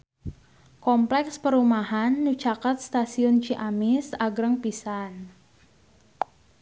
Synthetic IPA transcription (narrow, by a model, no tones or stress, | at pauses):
kɔmplɛkspəɾumaɦanːut͡ʃakat̪̚st̪asiʊnt͡ʃiʔamɪsaɡɾəŋpisan